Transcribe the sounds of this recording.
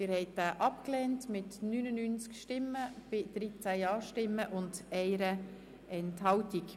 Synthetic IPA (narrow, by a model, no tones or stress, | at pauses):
ɪːɾhɛɪt̚daːʔɑpklɛːntmɪtnynənynt͡skʃtɪmːəb̥ɪd̥ɾit͡sæjɑːʃtɪmːəʔʊndɛɪɾə | ɛnthɑltik